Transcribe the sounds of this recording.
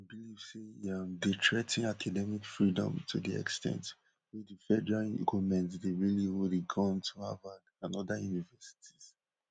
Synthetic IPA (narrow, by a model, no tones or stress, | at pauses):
abiliv̥sejamdetʰɹɛtĩnakʰadɛmikfɹidɔ̰̃mtʰudiɛ̰kstʰɛ̰̃nt | wɛdifɛdɛɹa̰ɡumɛ̃ntdeɹiliwudiɡɔ̃ntʰua̰va | ãnɔdajunivɛsi̥tʰi̥z̥